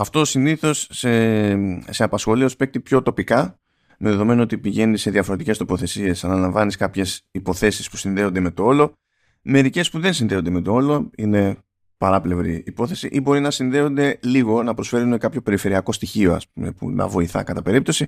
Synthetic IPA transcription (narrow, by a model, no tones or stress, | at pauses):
ɐft̪o̞t̪osiniθo̞se | seɐpɐsxo̞liospe̞k̚t̪ipço̞t̪o̞pikɐ | meðe̞ðo̞me̞noo̞t̪ipiʝe̞nise̞ðiɐfo̞ɾet̪ice̞st̪opo̞θe̞sie̞sɐnɐlɐɱvɐniskɐpçe̞sipo̞θe̞sispu̥sinðe̞o̞nd̪e̞me̞t̪oo̞lo̞ | me̞ɾice̞spuðe̞nsinðe̞o̞nd̪e̞me̞t̪o̞o̞lo̞ine̞ | pɐɾɐple̞vɾiːpo̞θe̞siʔibo̞ɾinɐsinðe̞o̞nd̪e̞liɣo̞nɐpɾo̞sfe̞ɾunekɐpço̞pe̞ɾife̞ɾiɐko̞st̪içio̞ɐ̰spume̞̰pṵnɐ̰vo̞iθɐ̰kɐt̪ɐpe̞ɾip̚t̪o̞si